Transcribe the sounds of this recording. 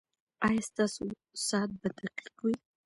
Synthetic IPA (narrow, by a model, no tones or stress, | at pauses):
ajast̪asu | saːt̪̚bad̪aqi̥kwi